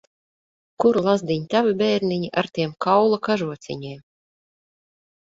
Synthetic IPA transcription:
kuɾulˠazd̪ʲiɲʲt̪ʲavɨbʲɛːɾniɲʲiʔaɾt̪ʲiɛmkawlˠakaʒuɔt̪sʲḭɲʲɛjm

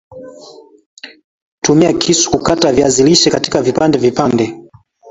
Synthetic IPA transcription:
tumiakʰisu̥kukataviaziliʃɛkatikavipandɛvipandɛ

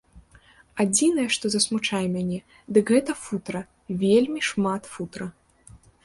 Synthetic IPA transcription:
ad͡zʲinɐjɛʂt̪ɔzɐsmut͡ʂajɛmʲanʲɛ | d̪ɨkɣɛt̪ɐfut̪ɾɐ | vʲelʲmʲiʂmat̪fut̪ɾɐ

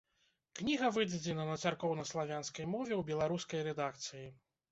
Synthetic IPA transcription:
knʲiɣɐvɨd͡z̪ʲɐd͡zʲɛnɐnɐt̪sarkɔwnɐslˠavʲanskɐjmɔvʲɛwbʲɛlˠaɾuskɐjɾɛd̪ak̚t̪sɨji

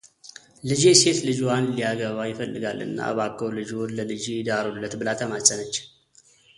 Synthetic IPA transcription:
lɨd͡ʒese̞t̪lɨd͡ʒwanlijaɡəβajɪfəlːɨɡalɨ̰nːa̰βakʰːəwlɨd͡ʒonləlɨd͡ʒid̪aɾolːət̪bɨlat̪ʰəmasʼənət͡ʃː

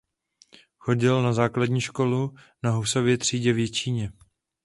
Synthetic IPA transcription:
xo̞ɟɪlnazaːkladɲiːʃko̞lu | naɦuso̞vjɛt̪r̝̥iːɟɛvjɛt͡ʃiːɲɛ

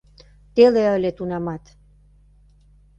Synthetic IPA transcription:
t̪eleəlʲet̪unɑmɑt̪

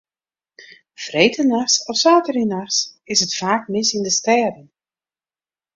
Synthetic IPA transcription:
frejtʰənasɔfsaːtəɾinasɪsətfaːk̚mɪsɪndəstɛːdən

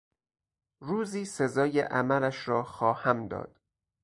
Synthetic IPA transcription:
ɾuːziːse̞zɒːjḛʔæmæɾæʃɾɒːxɒːhæmd̪ɒ̰ːd̪̥

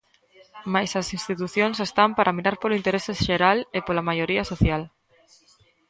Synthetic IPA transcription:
majsɐsinst̪it̪uθjõnsest̪ampaɾʔamiɾaɾpoloint̪eɾeseʃeɾalepolamajoɾiɐsoθjal

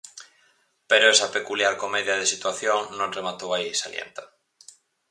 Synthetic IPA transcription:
peɾoɛsɐpekuljaɾkomeðjɐð̞esit̪waθjoŋnõŋremat̪owaisaljḛnt̪a

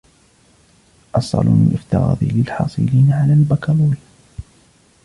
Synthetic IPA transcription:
ʔɑsˤɑ̰lṵmɪ̰nʔɪft̪ɑɣɑ̰ːðˤilɪlħɑ̰ːsˤɨ̰liːnaʕalaːlbakɑlˤuwi

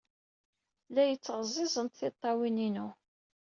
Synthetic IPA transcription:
læjət͡sːʁzˤɪzˤənt̪θɪt̪ˤːɑwininu

